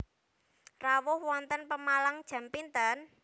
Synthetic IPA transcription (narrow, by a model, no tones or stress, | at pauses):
rawʊhwɔnt̪ənpəmalaŋd̥ʒ̥ä̤mpint̪ən